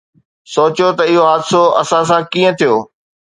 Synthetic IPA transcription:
soːt͡ɕjot̪ɐɪɦoɦaːd̪soɐsãs̬ãkĩːə̃t̪ʰijoː

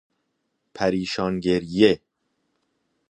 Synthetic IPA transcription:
pʰæɾiːʃɒːŋɡeɾje

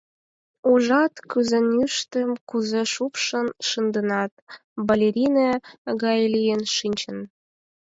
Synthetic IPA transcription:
uʒɑt̪kyzĕnyʃt̪əmkuzeʃupʃə̆nʃənd̪ə̆nɑt̪̚balʲeɾʲineɣɑjlʲijenʃinʲt͡ɕə̆n

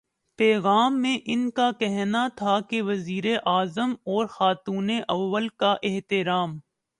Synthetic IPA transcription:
pɛːɣaːmːẽʔɪnkakɛɦnat̪ʰakeʋɐziːɾeʔaːzəmɔːɾxaːt̪uːneʔɐʋːəlkaʔɪɦt̪ɪɾaːm

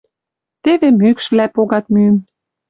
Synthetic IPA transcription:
t̪eβemykʃvlæpoɣɑt̪̚myəm

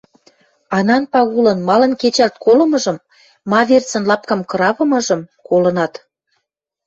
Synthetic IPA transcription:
ɑnɑnpɑɣulɤ̆nmɑlə̆nket͡ɕælt̪̚kolɤ̆mɤ̆ʒɤ̆mː | ɑβert͡sə̆nlɑp̚kɑmkɤ̆ɾɑβɤ̆mɤ̆ʒɤ̆mkolɤ̆nɑt̪

